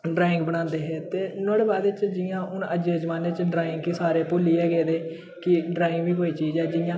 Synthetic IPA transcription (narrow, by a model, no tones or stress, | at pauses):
ɖɾaːɪ̃ŋɡbəɽ̃ãːnd̪eːɦɛ̃ːt̪eːnoːɽeːbaːd̪ɪt͡ʃd͡ʒɪjãːʊnəd͡ʒeːd͡ʒəmãːnet͡ʃɖɾaːɪ̃ŋɡkiːsaːɾeːpoːliːɛːɡɛːd̪eː | kɪɖɾaːɪ̃ŋɡʋiːkoːiːt͡ʃiːzɛːd͡ʒɪjãː